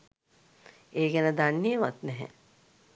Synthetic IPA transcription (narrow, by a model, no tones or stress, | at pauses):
eːɡɛnəd̪anːijəʋat̪nɛɦɛ̰